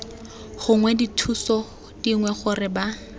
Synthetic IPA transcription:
χʊŋwɛditʰusɔ | d̥iŋwɛχʊrɪba

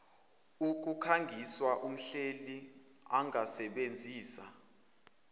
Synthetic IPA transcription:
uk̬ʼukʰaŋɡʱiswaʔum̩ɬeli | aŋʱasɛɓend͡zʱiːsa

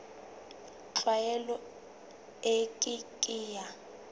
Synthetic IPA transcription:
ǁwajɛlɔ | ekʼikʼiːja

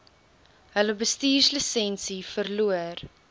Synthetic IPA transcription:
ɦələbəstiːrslisɛnsifərluər

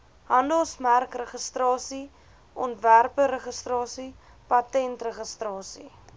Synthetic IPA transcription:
ɦɐndəlˠsmærkrəχəstrɑːsi | ʔɔntværpəɾəχəstrɑːsi | pɐtɛntrəχəstrɑːsi

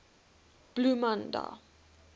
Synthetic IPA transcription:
b̥lumanda̰

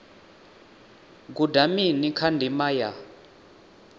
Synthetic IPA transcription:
ɡ̬udaminikʰandʱimaja

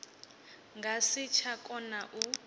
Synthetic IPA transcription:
ŋɡʱasit͡ʃʰakʼɔnaʔu

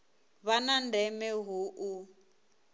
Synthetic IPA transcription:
βanandɛmɛɦuʔu

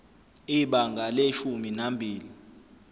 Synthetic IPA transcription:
iɓaŋɡʱaleʃuminambʱiːli

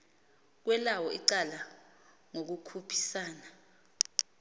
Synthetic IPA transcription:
k̬wɛlawɔiǀala | ŋok̬ukʰupʰi̥saːna

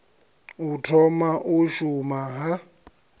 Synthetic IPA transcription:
utʰɔmaʔʊʃumaɦa

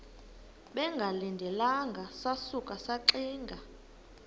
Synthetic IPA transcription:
ɓɛŋɡʱalindʱɛlaŋɡʱasasukʼasaǀiːŋɡʱa

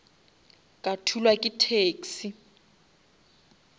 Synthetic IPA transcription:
kʼatʰulwakʼitʰeːksi

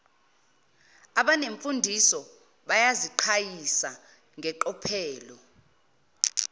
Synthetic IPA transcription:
aɓaneɱfundʱisɔ | ɓajaziǃʰajisa | ŋʱɛǃɔpʰɛːlɔ

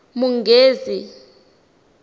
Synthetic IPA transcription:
muŋɡʱeːzi

